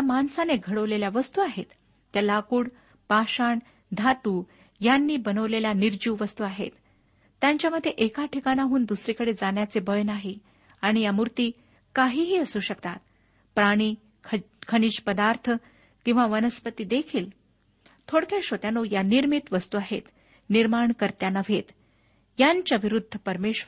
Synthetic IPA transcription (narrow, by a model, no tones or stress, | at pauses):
jamansaneɡʱəɽəʋleljaʋəst̪uaɦet̪ː | jalakuːɽ | paɕaɳ | d̪ʱat̪uː | janːiːbənəʋleljaniɾd͡ʑuːʋʋəst̪uaɦḛt̪ː | jaɲt͡ɕjaməd̪ʱːjeʔekaʈʰikanaɦuːnd̪usɾikəɽed͡zanjat͡sebəjnaɦi | aɽ̃ijamuɾt̪iː | kaɦiːɦiːəsuːɕəkt̪at̪̚ | pɾaɽ̃iː | kʰkʰəɳiɕpəd̪aɾt̪ʰə | kĩw̃ʋaʋənəspət̪iːd̪ekʰiːl | t̪ʰoɽkʰjaɕot̪janojaniɾmit̪ʋəst̪uaɦḛt̪ | niɾmaɳkəɾt̪janaʋʱet̪ | jaɲt͡ɕjaʋiɾud̪ʱːəpəɾmeɕ